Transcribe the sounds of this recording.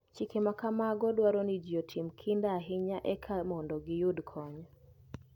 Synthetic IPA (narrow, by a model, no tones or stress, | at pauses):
t͡ʃikemakamaɡɔdwaɾɔnid͡ʒotʰimkʰindaɦɪɲaʔɛkʰamɔndɔɡɪjudkʰɔɲ